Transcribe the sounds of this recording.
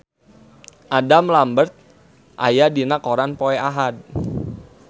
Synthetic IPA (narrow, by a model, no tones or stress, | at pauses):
ʔadamlambərt̪̚ | ʔa̰jadinakoɾanpɔɛaɦad̚